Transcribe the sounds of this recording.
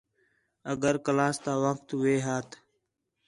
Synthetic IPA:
əɡəɾkəlaːst̪aːʋək̚t̪ʋeːɦaːt̪ʰ

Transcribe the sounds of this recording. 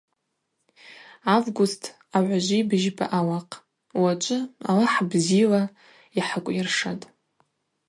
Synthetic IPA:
avɡʷʊstʰ | aʕʷaʒʷibɨʒba̰ʔawaqʼ | wat͡ʃʷʼɨa̰laħbzila | iħakʷʼjɪrʂatʼ

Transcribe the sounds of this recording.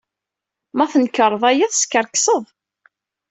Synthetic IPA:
mæθənkəɾˤːəðˤæjæθəskːəɾksˤəðˤ

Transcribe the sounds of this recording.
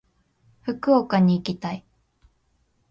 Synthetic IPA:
ɸɯ̟kɯ̟okaɲ̟iːkʲit̪ai

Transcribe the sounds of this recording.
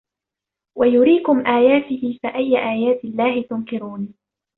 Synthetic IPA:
wʔajʊɾiːkʊmʔaːjaːt̪ɪhɪfaʔajːaʔaːjaːt̪ɪlːaːhɪt̪ʊŋkɪɾuːn

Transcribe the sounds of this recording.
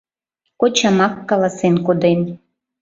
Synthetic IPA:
kot͡ɕɑmɑkːɑlˠɑsenkod̪en

